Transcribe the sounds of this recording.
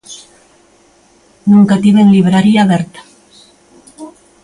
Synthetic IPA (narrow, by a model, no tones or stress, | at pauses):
nũŋkat̪iβeŋliβɾaɾiaβeɾt̪ḁ